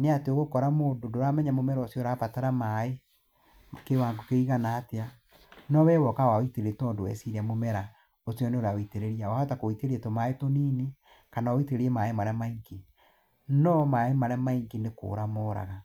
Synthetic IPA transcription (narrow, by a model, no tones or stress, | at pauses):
neateoɣokɔɾamoːndodoɾamɛɲamomɛɾɔosjɔɾapataɾamae | mkewaːŋɡokeiɣanaːtea | nɔwɛːwɔkawaiteeetɔːndowɛ̰siɾɛmomɛɾa | osjɔneoɾaoiteɾeɾiawahɔtakoiteɾietomaetoniːne | kanaoiteɾeɾiɛmaːemaɾamaiŋki | nɔmaemaɾamaiŋkineko̰ːɾamoːɾa̰ɣa